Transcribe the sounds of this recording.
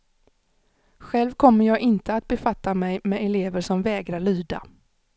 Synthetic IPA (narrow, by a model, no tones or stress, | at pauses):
ɧɛlvkʰɔmːəɾjɑːɡɪnt̪əat̪̚bɛfat̪ʰːamɛjmɛɛleːvəʂɔmvɛːɡɾaɭyːd̪a̰